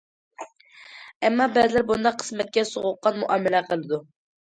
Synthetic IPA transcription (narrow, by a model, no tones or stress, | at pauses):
ɛmːɑbɛzɪlɪɾbund̪ɑqʰːə̥smɛt̪̚kʲɛsoʁʊqːɑnmuʔɑːmɪlɛqʰəlˠɨd̪u